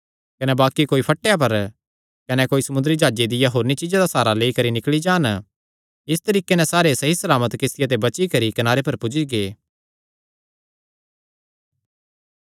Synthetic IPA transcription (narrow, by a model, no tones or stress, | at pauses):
kɐnɛbaːkikoːipʰɐʈːeːap̬ɐɾ | kɐnɛkoːisɐmʊnd̪əɾid͡ʒaːd͡ʒed̪ɪjaɦoːɾnit͡ʃɪd͡ʒad̪asaːɾaleːikɐɾinɪklid͡ʒaːn | ɪst̪ɐɾiːkenɛ̃saːɾesɐɦisɐlaːmət̪kɪst̪ɪjat̪ebɐt͡ʃikɐɾikɐnaːɾepɐɾpʊd͡ʒiɡeː